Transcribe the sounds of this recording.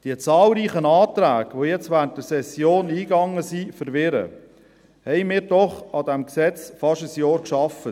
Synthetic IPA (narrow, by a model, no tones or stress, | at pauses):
d̥iət͡sɑːlɾiːχənɑːt̪ɾæːɡ̥ʋojɛt͡stʋæːntəsɛsjoːniːɡɑŋəsifəɾʋɪɾə̰ | hɛɪmɪːɾdɔχɑdæmksɛt͡sfɑʃəsjɔːɾkʃɑfə